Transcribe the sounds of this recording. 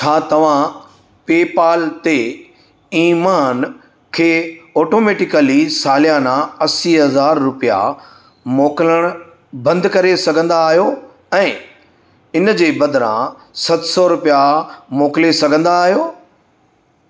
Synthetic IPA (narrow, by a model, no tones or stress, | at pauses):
t͡ɕʰaːt̪ɐʋ̤ã | peːpaːlt̪e | iːmaːn | kʰeːɔːʈoːmeːʈɪkəlisaːlijanãɐsiɦɐzaːɾːʊpija̰ | mɔːkɪləɽ̃ | bɐ̃nd̪kɐɾesɐɡʱə̃nd̪aːɦijo | ɛ̃ː | ɪnd͡ʑeːbɐd̪ɾã̰ | sɐt̪sɔɾʊpijamoːkɪlesɐɡʱə̃nd̪aːɦijoː